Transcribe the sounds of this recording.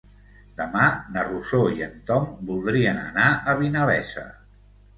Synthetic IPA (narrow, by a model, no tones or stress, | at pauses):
d̪əmanərusoiənt̪ɔmbulˠd̪ɾiənə̰naʔəβinəlɛzə̰